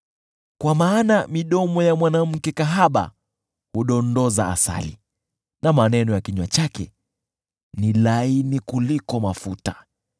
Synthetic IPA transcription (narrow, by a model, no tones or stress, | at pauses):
kwamaːnamiɗɔmɔjamwanam̩kɛkaɦaɓa̰ | huɗɔndɔzaa̰sa̰lḭ | namanɛnɔjakiɲwat͡ʃakɛ̰ | nilainikulikɔmafuta